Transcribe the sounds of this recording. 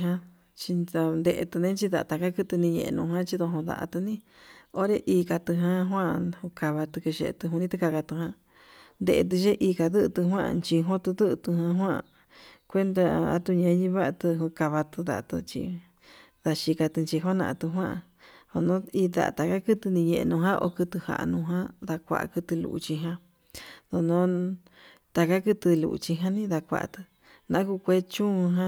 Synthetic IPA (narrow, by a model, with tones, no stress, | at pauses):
ɦã˧ | t͡ʃi˧a˧nd̪e˧ʔḛ˧t̪u˧nẽ˦t͡ʃi˧ða˨˧t̪a˧ka˦kɨ˦t̪nĩ˧ɲḛ̃˧ḛ̃˧nũ˧hã˦t͡ʃi˧ðo˧ɦõ˧ða̰˧ʔa̰˧t̪u˧nĩ˦ | o˦ɾe˧ʔiː˧ka˧t̪ɨ˧ɦã˧ɦwã˦˧hu˧ka˧βa˧t̪u˧kɨ˧ʃḛ˧t̪ɨ˧ɦũ˧nĩ˦t̪u˧ka˧ka˧t̪u˧ɦã˧ | nd̪e˧ʔe˧t̪̬ɨ˧ʃe˦ʔiː˧ka˧ðɨ˦ʔt̪ɨ˧ɦwã̰˦˧nt͡ʃi˧ɦõ˦t̪u˧ðɨ˦ʔt̪u˧hã˧ɦwã̰˦˧ | kʷe˦nd̪a˧a̰˦t̪u˧ɲẽ˧˦ɲĩ˧βa˦ʔa˧t̪ɨ˧ɦu˧ka˧βa˧t̪u˧ða̰˧˨˧t̪ṵ˧t͡ʃḭ˧ | ða˧ʃi˧ka˧t̪ɨ˧nt͡ʃi˧ɦo˦nã̰˧ʔt̪u˧ɦwã˦ʔ | o˧nõ˦i˧ða̰˨ʔt̪a˨ka˦kɨ˦t̪ɨ˧nĩ˧ɲẽ˧˨e˧nũ˧ɦã˦ʔo̰˧kɨ˧t̪ɨ˧ha̰˨ʔnũ˧ɦã˦ða˧kʷa̰˧ʔkɨ˧t̪ɨ˧lṵ˧ʔu˧t͡ʃi˧ɦã˧ | ðo˧nõ˦ | t̪a˧ka˦kɨ˧t̪ɨ˧lṵ˨ʔt͡ʃi˧ɦã˦nĩ˦ða˧kʷa̰˨ʔt̪ɨ̥˧ | nã̰˧˦ku˧kʷe˧˦t͡ʃũ˦˧ɦã˦